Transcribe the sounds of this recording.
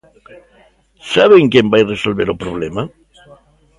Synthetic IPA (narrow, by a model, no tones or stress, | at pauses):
saβeŋkjembajresolβeɾopɾoβ̞lema